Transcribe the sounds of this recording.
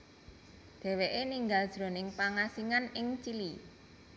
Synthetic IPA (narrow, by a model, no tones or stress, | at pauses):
d̪̥ɛ̤weʔeniŋɡald̥ʒ̥ɾo̤nɪŋpaŋasiŋanɪŋt͡ʃili